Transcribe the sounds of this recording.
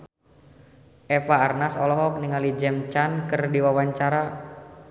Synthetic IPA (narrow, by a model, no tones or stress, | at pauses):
ʔɛfaːrnasɔ̰lɔɦɔk̚niŋalid͡ʒɛmt͡ʃankɨrdiwawaɲt͡ʃaɾa